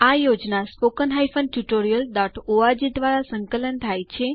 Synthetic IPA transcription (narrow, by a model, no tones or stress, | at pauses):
ajod͡ʒnaspokənɦajfənʈuʈoɾijəld̪aʈʰoad͡ʒid̪ʋaɾasə̃ŋkələnt̪ʰajt͡ʃʰe